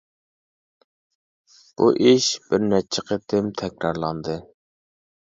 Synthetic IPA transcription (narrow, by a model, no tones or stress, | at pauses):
b̥ṵʔiʃb̥ɪɾnɛt͡ʃʰɪqʰət̪ʰɪmt̪ʰɛkʲɾɑɾlˠɑnd̪ɨ